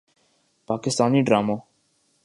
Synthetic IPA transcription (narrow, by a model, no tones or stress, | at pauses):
pakɪst̪aːniɖɾama